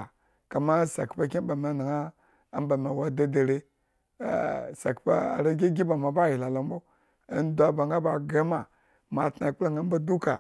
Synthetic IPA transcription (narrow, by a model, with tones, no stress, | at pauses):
ka˨ma˦sa̰˨kpa˦kʲi˦ba˨me˨na˨ŋa˦ | a˦m˦ba˨me˨wa˦da˦da˨ɾḛ˦˨ | sa̰˨kpa̰˦a̰˨ɾa˦ɡʲi˦ɡʲi˦ba˨ma˨ba˦˨ji˨la˨lo˨m˦bo̰˦ | n˦dʷa˨ba˨ŋɡa˦ba˨ɡe˦ma˨ | ma˨tna˨i˨k͡pu˦la˨ŋɡa˦ba˦du˦ka˨